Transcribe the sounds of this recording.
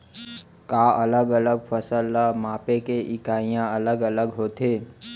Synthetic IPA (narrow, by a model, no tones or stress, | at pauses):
kaːʔɐləɡələɡfəsəlːamaːpẽkeʔɪkaːijãɐləɡələɡɦoːt̪eː